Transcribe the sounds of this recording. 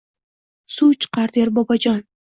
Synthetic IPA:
sut͡ʃʰɨ̥qʰɑɾd̪eɾbɒbad͡ʒɒn

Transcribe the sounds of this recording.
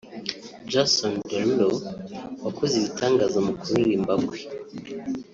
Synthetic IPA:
d͡ʒasondoɾlowakʰoziβitʰaːŋɡazamukuɾiɾimbaɡwe

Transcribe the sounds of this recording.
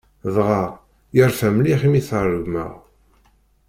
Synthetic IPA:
ðʁɑ | jəɾfæmliχimiθrəʝmə̰ʁ

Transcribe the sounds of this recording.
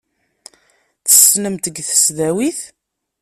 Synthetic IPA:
θə̥snəmt̪əɡθə̥sðæwiθ

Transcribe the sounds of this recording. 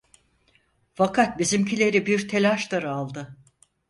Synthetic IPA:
fakʰat̪̚bizimcʰilʲe̞ɾibiɾt̪ʰe̞lʲaʃt̪aɾɯalˠd̪ɯ

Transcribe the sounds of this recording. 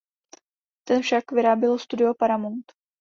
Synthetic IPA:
t̪ɛnfʃakvɪɾaːbjɛlst̪udɪopaɾamont̪

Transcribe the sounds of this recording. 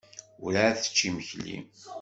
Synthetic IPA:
ʊɾaθə̥t͡ʃːiməçlːḭm

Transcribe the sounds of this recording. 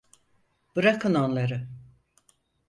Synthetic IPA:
b̥ɯɾakʰɯnonlˠaɾɯ

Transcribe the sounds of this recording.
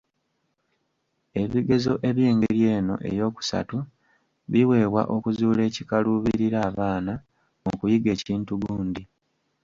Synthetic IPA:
e̞βiɡe̞zo̞ʔe̞βjeːŋɡeɾje̞ːno̞̰ʔe̞̰jo̞ːku̥sa̰tu | βiwe̞ːβwa̰ʔo̞kuzuːle̞ːcikaluβiɾiɾaːβaːna | mokujiɡe̞ːciːntuɡuːndi

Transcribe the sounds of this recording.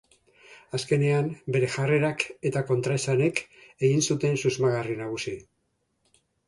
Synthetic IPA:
aske̞ne̞ambe̞ɾe̞ʝare̞ɾake̞t̪ako̞nt̪ɾasane̞ke̞ɣinsut̪e̞nsuzmaɣarinaɣ̞usi

